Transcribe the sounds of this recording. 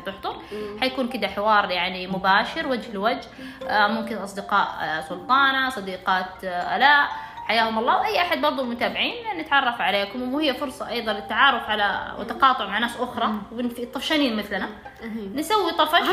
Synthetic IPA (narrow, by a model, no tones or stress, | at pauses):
t̪ɪħt̪ˤʊɾˤħajakuːnkɪd̪aħɪwɑːɾˤjaʕnimʊbaːʃɪɾwad͡ʒhɪlwad͡ʒh | mʊmkɪnʔɑsˤd̪ɪqɑːʔsʊlt̪ˤɑːnasˤɑd̪iːqɑːt̪ʔa̰laːʔħajaːhʊmɑlˤːɑːwʔajːʔaħad̪̚bɑɾˤd̪ˤʊlmʊt̪aːbɪʕiːnlʔanːɪt̪ʕɑrˤːɑfʕaleːkʊmwhɪjːafʊɾsˤɑʔɑjðˤɑnlɪt̪ːaʕɑːɾˤʊfʕala̰wɪ̰t̪ːɑqɑːt̪ˤʊʕmaʕnaːsʔʊxɾˤɑwɪnfit̪ˤːɑfʃaniːnmɪθlana | nsawːit̪ˤɑfɑʃ